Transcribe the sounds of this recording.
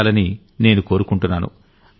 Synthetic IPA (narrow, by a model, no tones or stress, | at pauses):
lɐni | ne̞ːnuko̞ːɾukuɳʈunːaːnṵ